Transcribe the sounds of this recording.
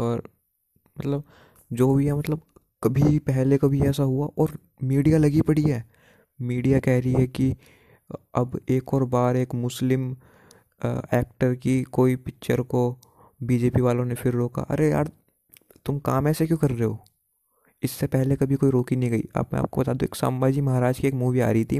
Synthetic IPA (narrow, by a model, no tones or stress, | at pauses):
ɔːɾ | mɐt̪ləb̚ | d͡ʒoːbʱiɦɛmɐt̪ləb̚ | kɐbʱipɛɦlekɐbʱiɛːsaɦuaʔɔːɾ | miːɖijalɐɡipɐɽiɦɛː | miːɖijakɛɦɾɐiɦɛki | ɐbeːkɔːɾbaːɾeːkmʊslɪm | ɛːk̚ʈəɾkikoːipɪkʃəɾko | biːd͡ʒeːpiʋaːlõnefɪɾɾoːka̰ʔɐ̰ɾeja̰ːɾ | t̪ʊmkaːmɛːsekjõːkɐɾːeɦoː | ɪsːepɛɦlekɐbʱikoːiɾoːkinɐɦĩɡɐḭa̰ːpmɛ̰̃a̰ːp̚kobɐt̪aːd̪õḛːksa̰ːmbaːd͡ʒimɐɦaɾaːd͡ʒkieːkmuːʋia̰ːɾəit̪ʰi